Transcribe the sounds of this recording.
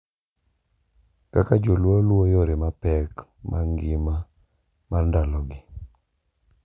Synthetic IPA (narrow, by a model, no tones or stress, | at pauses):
kakad͡ʒolwolwojoɾɪmapɛkmʔaŋɡɪma | mandalɔɡɪ